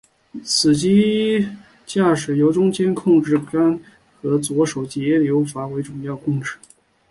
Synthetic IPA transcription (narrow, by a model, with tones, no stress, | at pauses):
t͡sʰɹ̩˨˩t͡ɕi˥ | t͡ɕja˥˩ʂɻ̩˨˩jo˧˥ʊʈ͡ʂʊ˥ŋt͡ɕjɛ˥nkʰʊ˥˧ŋʈ͡ʂɻ̩˥˩ka˥n | xɤ˧˥t͡swɔ˧˥ʂo˨˩ʊt͡ɕjɛ˧˥ljo˧˥ʊfa˧˥we˧˥ɪʈ͡ʂʊ˨˩ŋjɑ˥˧ʊkʊ˥˧ŋʈ͡ʂɻ̩˥˩